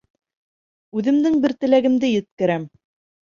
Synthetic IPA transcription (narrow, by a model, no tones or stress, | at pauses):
ʉðɘ̆md̪ɘŋbɘ̆ɾt̪ɘ̆læɡɘ̆md̪ɘjɘ̆t̪̚kɘ̆ɾæm